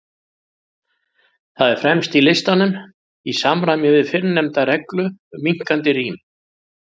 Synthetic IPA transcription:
θaðɛɾ̥fɾɛmst̪ilɪst̪anːʏn | isamɾajmjʏvɪðfɪɾnːɛmt̪aɾɛklʏmiŋ̥kant̪ɪriːm

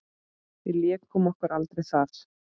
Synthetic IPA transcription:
iljɛːkkʰːɔːmɔhkʏɾalt̪ɾejθaθ

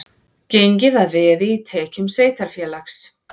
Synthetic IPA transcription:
cejɲcɪðaðvɛːðɪːt̪ʰɛːcʏmseːjt̪aɾ̥fjɛːlaxs

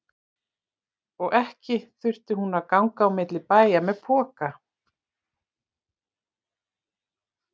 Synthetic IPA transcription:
ɔɣʔɛhcɪθʏr̥t̪ɪhunaðkawŋkaːwmɪt̪lɪpaːjamɛðpʰɔːka

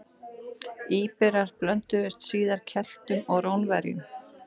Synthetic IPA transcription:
iːpɛɾaɾ̥plœnt̪ʏvɪst̪siːðaɾ̥cʰɛl̥t̪ʏmɔɣɾownvɛɾjʏ̰m

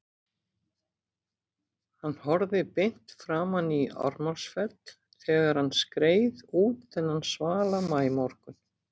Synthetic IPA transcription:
hanːhɔɾðɪpejn̥t̪fɾaːmhanːia̰ɾmalsfɛt̪l̥ | θɛːɣaɾ̥hanskɾeːjðuːt̪θɛnːansvaːlammaːjmɔɾ̥kʏn

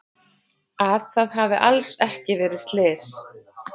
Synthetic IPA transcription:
aðθaðɦavɪ̰ʔalsɛhcɪvɛːɾɪst̪lɪːs

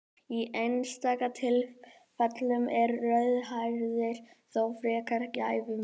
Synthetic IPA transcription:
iʔejnst̪aːkat̪ʰɪl | fat̪lʏmʔɛɾːœɥðhajɾðɪɾ̥ | θawfɾɛːkaɾ̥caːjvɪ

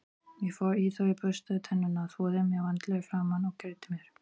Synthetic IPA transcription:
jɛɣfɔɾiθœpœst̪aðt̪ʰɛnːʏnaθɔːðɪmjɛɣvant̪lɛɣfɾaːmanɔwcɛɾt̪ɪmjɛɾ̥

